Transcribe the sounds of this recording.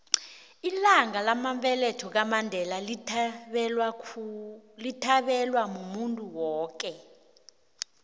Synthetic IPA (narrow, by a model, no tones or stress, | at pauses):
ilaŋalamaɱpɛlɛtʰɔk̬amandʱɛlal | litʰaɓɛlwamumuntʼuwɔːk̬ʼɛ